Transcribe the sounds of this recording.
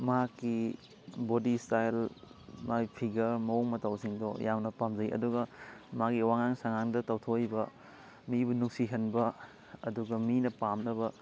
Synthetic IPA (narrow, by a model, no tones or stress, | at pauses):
mɐɦakːi | bodistajlmajpʰiɡɐɾmɐoŋmɐtɐwsiŋdojamnɐpamd͡ʒɐjʔɐ̰duɡɐmaɡiwaŋaŋsaŋaŋdɐtɐwtʰojbɐ | mibunuksiɦɐnbɐ | ɐduɡɐminɐpamnɐbɐ